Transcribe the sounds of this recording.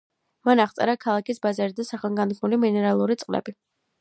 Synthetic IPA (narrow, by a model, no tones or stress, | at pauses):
manaχt̪sʼɛ̰ɾakʰalˠakisbazaɾid̪asaχɛlˠɡand̪ɡʰmuliminɛɾalˠuɾit̪sʼqʼlɛ̰bi